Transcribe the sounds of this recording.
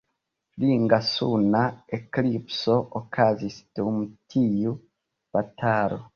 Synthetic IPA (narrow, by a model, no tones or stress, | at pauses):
liŋɡasunaeklipsoʔokʰazisdumutʰiju | b̥atʰaɾo